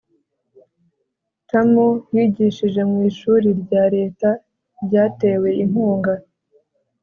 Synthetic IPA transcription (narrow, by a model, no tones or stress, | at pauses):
tamojiːɟiʃiʒe̞mŋiːʃuːɾiɾɟaːɾe̞ːta | ɾɟaːte̞ːwe̞im̥huːŋɡa